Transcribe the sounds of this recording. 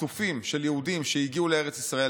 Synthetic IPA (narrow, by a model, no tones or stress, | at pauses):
ufimʃe̞ljehudimʃe̞jiɡiuleeʁet͡sisʁae